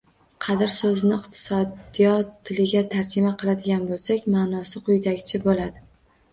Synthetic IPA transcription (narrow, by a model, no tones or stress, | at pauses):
qʰɑd̪ɪɾsɵznɪɪqt̪ʰɪ̥sɒd̪ijɒt̪ʰːɪlɪɡʲat̪ʰaɾd͡ʒɪmaqʰɨlˠad̪ɪɡʲanbolˠsakʲmaːnɒsɪqʰʊjd̪aɡʲt͡ʃʰɪbolad̪ɪ